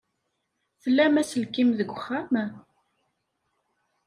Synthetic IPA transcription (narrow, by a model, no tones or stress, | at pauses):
θəlːæmæsəlkːimðəɡʷːəχːæm